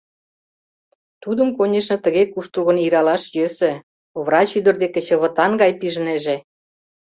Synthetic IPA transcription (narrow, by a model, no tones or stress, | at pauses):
t̪ud̪ə̆mkonʲeʃnɤ̆t̪ə̆ɣekuʃt̪ruɣə̆niɾɑlɑʃjøsĕ | oβrɑt͡ɕyd̪ə̆rd̪ekĕt͡ɕə̆βə̆t̪ɑnɡɑjpiʒəneʒe